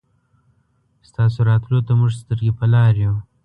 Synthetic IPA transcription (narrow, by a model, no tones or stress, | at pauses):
st̪ɑsoɾɑt̪lot̪amʊʐst̪əɾɡepəlɑɾju